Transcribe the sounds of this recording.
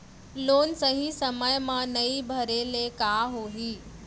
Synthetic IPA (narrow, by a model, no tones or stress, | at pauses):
loːnsɐɦĩsɐməjmãnɐibʱɐɾelekaːɦoːɦiː